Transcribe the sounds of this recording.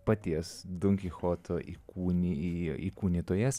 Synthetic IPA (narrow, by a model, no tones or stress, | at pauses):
pɐt̪ʲiɛsd̪ʊŋʲkʲixoːt̪ʰoʔiːkuːnʲiiːkuːnʲiːt̪oːjɛs